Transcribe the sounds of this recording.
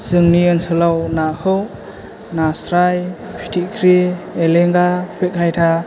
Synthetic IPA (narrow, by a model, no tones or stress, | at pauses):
z̥ɯŋniɯnsʰɯlawnakʰɯw | nasɾajpʰi̥tʰikʰɾieleŋɡapʰek̚hʰajtʰa